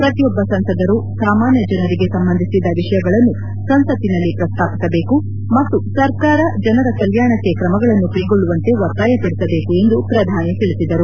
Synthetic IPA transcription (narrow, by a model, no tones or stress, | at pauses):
pɾɐt̪ijɔbːɐsɐnsɐd̪ɐɾusaːmaːnjɐd͡ʒɐnɐɾiɡe̞sɐmbɐnd̪ʱisid̪ːɐʋiʂɐjɐɡɐɭɐnːu | sɐnsɐt̪inɐlːipɾɐst̪ʰaːpisɐbe̞ːku | mɐt̪ːusɐɾkaːɾɐd͡ʒɐnɐɾɐkɐljaːɳɐkːe̞kɾɐmɐɡɐɭɐnːupɐjiɡo̞ɭːuʋɐnt̪e̞ʋɐɾt̪aːjɐp̪ɐɽisɐbe̞ːkue̞nd̪upɾɐd̪ʱaːnit̪iɭisid̪ɐɾu